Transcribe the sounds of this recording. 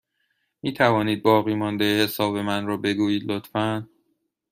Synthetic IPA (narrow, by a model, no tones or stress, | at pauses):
miːt̪ʰævɒːniːd̪̚bɒːɣiːmɒːnd̪ejehe̞sɒːbe̞mænɾɒːbe̞ɡuːjiːd̪lot̪fæn